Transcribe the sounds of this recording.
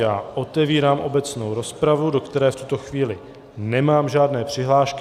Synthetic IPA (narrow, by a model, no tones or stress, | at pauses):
jaːʔo̞t̪ɛviːɾaːmʔo̞bɛt͡sno̞wɾo̞spɾavudo̞kt̪ɛɾɛːft̪ut̪o̞xviːlɪ | nɛmaːmʒaːdnɛːpr̝̥ɪɦlaːʃk